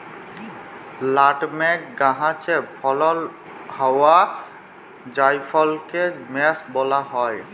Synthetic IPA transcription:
laʈmɛkɡaɦãt͡ʃepʰɔlɔl | hawa | d͡ʒajpʰɔlkemɛsbɔlaɦɔj

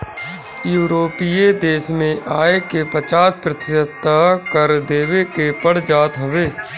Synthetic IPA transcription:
juːɾoːpied̪eːʃmẽʔaːekepət͡ʃaːspɾət̪ɪʃət̪ːakəɾd̪eːʋekepəɽ̤d͡ʒaːt̪ɦəʋeː

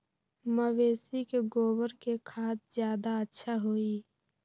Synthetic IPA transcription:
məweːsikeɡoːbəɾkekʰaːt̪̚zjaːd̪aətːʃʰaɦoːi

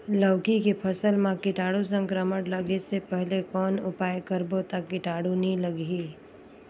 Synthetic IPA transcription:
ləːkikepʰəsəlmãkɪʈaːɽus̬ə̃ŋkɾəməʈləɡesepɛɦlekɔːnʊpaːjkəɾbot̪akːɪʈaːɽunɦĩləɡiː

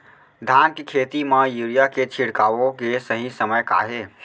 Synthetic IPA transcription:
d̪ʱankkʰet̪iməjuɾijaket͡ʃʰiɽkaʋokesəɦĩsəməjka̰ɦe

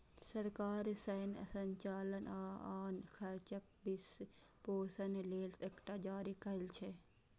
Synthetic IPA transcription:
sɐɾkaːɾsɐnɐsɐɲt͡ʃaːlənaːaːnkʰɐɾt͡ʃɐk̚bis | poːsɐnleːlsekʈad͡ʒaːɾikɐlt͡ʃʰe

